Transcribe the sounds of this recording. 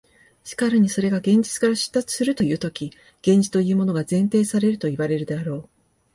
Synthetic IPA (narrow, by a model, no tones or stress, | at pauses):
ɕi̥kaɾɯ̟ɲ̟iso̞ɾe̞ɡaɡẽ̞ɲ̟d͡ʑit͡sɨ̥kaɾaɕi̥t̪ːat͡sɨ̥sɨɾɯ̟t̪o̞jɯ̟ːt̪o̞kʲi | ɡ̥ẽ̞ɲ̟d͡ʑi̥t̪o̞jɯ̟ːmo̞no̞ɡazẽ̞nt̪e̞ːsaɾe̞ɾɯ̟t̪o̞iβaɾe̞ɾɯ̟d̪e̞aɾo̞ː